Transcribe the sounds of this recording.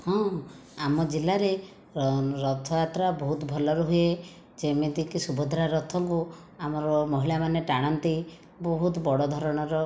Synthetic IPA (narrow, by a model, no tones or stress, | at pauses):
hɔ̃ | amɔd͡ʒilːaɾe | ɾɔt̪ʰɔjat̪ɾabɔɦut̪bʱɔlɔɾuɦue | d͡ʒemed̪ikisubɔd̪ʱɾaɾɔt̪ʰɔŋku | amɔɾɔmɔɦiɭamaneʈaɽ̃ɔnt̪i | bɔɦut̪bɔɽɔd̪ʱɔɾɔɽ̃ɔɾɔ